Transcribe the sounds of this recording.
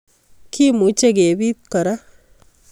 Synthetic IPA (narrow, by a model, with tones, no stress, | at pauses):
kʰi˦mu˨˦t͡ʃe˦ɡe˨bi˦t̪̚kɔ˨ɾa˦